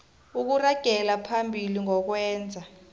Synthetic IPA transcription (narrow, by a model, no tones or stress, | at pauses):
uk̬uraɡ̥ʱɛlapʰambʱiliŋɔk̬wɛːnd͡zʱa